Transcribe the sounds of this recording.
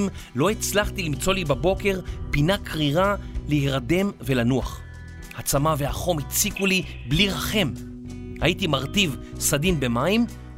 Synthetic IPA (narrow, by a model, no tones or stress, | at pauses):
m | lo̞it͡slaχt̪ilimt͡so̞libabo̞ke̞ʁpinakʰʁiʁaleheʁade̞mve̞lanua̰χ | hat͡samavehaχo̞mhit͡sikuli | bliʁaχe̞m | ha̰itimaʁtiv | sadimbe̞maim